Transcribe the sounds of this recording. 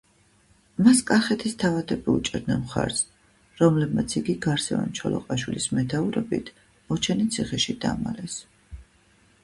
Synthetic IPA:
maskʼaχɛt̪ʰist̪ʰavat̪ʰɛbiut͡ʃʼɛɾd̪nɛnmχa̰ɾs | ɾɔmlɛbmat̪sʰiɡiɡaɾsɛvɛ̰nt͡ʃʰɔlɔ̰qʼaʃwilismɛt̪ʰauɾɛbḭt̪ʰ | ɔt͡ʃʰɛnit̪sʰiχɛʃid̪̥a̰malɛs

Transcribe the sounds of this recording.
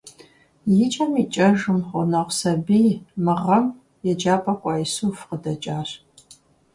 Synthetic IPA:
jɪt͡ʃʼɐmiːt͡ʃʼɐʒɨmχʷʊnɐʁʷsɐbiːmɨʁɐm | jɛd͡ʒaːpʼɐkʷʼɑːjsuːfqədɐt͡ʃʼaːɕ

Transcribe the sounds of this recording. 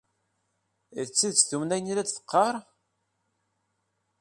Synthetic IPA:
ðt͡sːiðt͡sːθumnæjənilæd̪θə̥qːɑɾˤ

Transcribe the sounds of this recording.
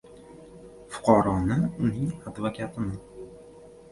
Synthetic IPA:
fʊ̥qʰɒɾɒnɪʊnɪŋad̪vakʲʰat̪ʰɪnɪ

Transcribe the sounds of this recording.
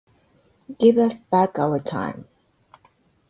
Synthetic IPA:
ɡ̥ɪvʌsb̥ækaʊə˞tʰã̰ɪ̃m

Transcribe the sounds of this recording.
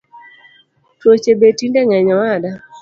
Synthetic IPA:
twot͡ʃebetindɛŋɛɲɔwada

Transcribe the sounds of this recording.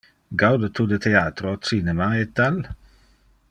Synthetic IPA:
ɡawd̪ət̪ʰud̪ət̪ʰeaːt̪ɾoot̪sinɛmaɛt̪̚d̪al

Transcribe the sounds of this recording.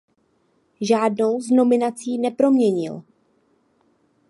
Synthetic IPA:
ʒaːdno̞wzno̞mɪnat͡siːnɛpɾo̞mɲɛɲɪ̰l

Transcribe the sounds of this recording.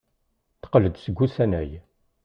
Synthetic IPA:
θə̥qələd̪səɡʷːusænæj

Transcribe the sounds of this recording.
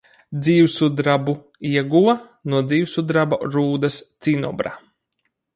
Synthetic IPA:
d̪ziːwsud̪ɾabu | iɛɡua | nuɔd̪ziːwsud̪ɾabɔɾuːd̪ɐst̪sinɔ̰bɾa̰

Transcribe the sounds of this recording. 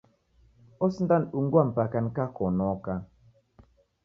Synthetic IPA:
ɔsn̩danuŋɡwam̩pakankakɔnɔka

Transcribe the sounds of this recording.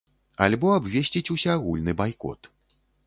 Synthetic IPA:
a̰lʲbɔabvʲesʲt͡sʲit͡sʲusʲaːɣulʲnɨbajkɔ̰t̪

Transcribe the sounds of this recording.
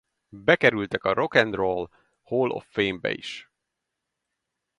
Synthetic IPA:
bɛkɛɾylt̪ɛkɒɾo̞kɛnd̪rol | hoːlʔo̰fːeːmbɛ̰ḭʃ

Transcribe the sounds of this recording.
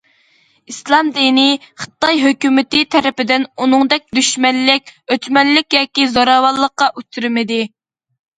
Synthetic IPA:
islˠɑmd̪inɪχə̥t̪ːɑjɦøkʲymɪt̪ɪt̪ʰɛɾɪpɪd̪ɪnunɨŋd̪ɛk̚ʲd̪yʃmɛnlɪk̚ʲøt͡ʃ̪mɛnlɪkʲjɑːkʲizoɾɑwɑlˠːəqːɑʔyt̪ʰːyɾɪmɪd̪ɪ

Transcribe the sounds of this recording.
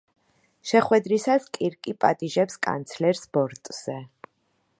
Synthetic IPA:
ʃɛχwɛd̪ɾisaskʼiɾkʼipʼa̰t̪ʼiʒɛpskʼa̰nt̪sʰlɛɾsb̥ɔɾt̪ʼz̥ɛ

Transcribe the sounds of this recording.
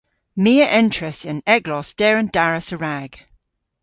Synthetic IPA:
miːəʔɛ̃nt͡ʃʰɹ̥əsɪ̃nɛɡlɔsd̥ɛːɹə̃ndaɹəsəɹaɡ̥

